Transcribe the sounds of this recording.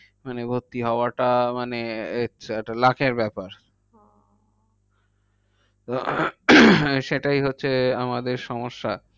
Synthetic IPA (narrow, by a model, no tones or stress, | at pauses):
manebʱot̪iɦɔoaʈamaneet͡ɕʰeɛʈalakʰeɾbɛpaɾ | t̪o | ʃeʈajɦotːɕʰeamad̪eɾʃɔmoʃːa